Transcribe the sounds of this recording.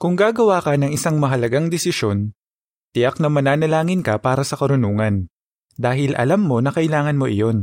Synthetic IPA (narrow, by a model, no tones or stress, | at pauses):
kʊŋɡaːɡɐwaːkɐnɐŋɪsaŋmɐɦɐlɐɡaŋd̪ɛsɪʃo̞n | t̪ɪjaknɐmɐnaːnɐlaːŋɪnkɐpaːɾɐsɐkɐɾʊnuːŋɐn | d̪aːɦɪlʔɐ̰lamːo̞nɐkɐʔɪlaːŋɐnmo̞ʔɪ̰jo̞n